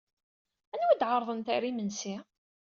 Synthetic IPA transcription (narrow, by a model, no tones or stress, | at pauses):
ænwæd̪ʕɑɾˤðˤənt̪æɾimənsi